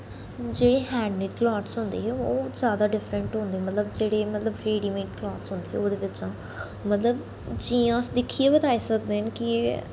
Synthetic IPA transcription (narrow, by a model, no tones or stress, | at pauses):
d͡ʒeːɽeːɦɛ̃ːɖmɪʈklɔːʈsɦʊ̃nd̪ḛːɦɛːoːzjaːd̪aːɖɪfɾəɳʈɦʊ̃nd̪eːmət̪ləbd͡ʒeːɽeːmət̪ləbɾeːɖiːmẽːʈ̚klɔːʈsɦʊ̃nd̪eːɦɛ̰ːoːd̪eːʋɪt͡ʃãː | mət̪ləb | d͡ʒiːãːsd̪ɪkʰːiːeːbət̪aːiːsək̚d̪eːənkɪ